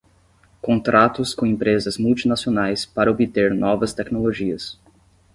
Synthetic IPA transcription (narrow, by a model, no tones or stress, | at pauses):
kõnt̪ɾʔat̪ʊskõẽpɾezɐzmuwt͡ʃinasionajspaɾɐobit̪eɾnɔvɐst̪ɛknoloʒiɐs